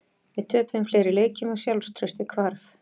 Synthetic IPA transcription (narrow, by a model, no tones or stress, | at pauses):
vɪðt̪ʰœːpʏmfleːjɾɪleːjcɪmaɣsjawlst̪ʰɾœɥst̪ɪkʰvaɾf